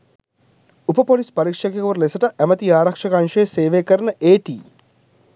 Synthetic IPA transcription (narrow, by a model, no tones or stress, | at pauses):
upɐpoːlispɐɾikʂɐkekɐʋɐɾlesɐʈɐʔɛmɐt̪iaːɾɐkʂɐkɐnʂeːseːʋeːkəɾɐnɐʔeːʈḭː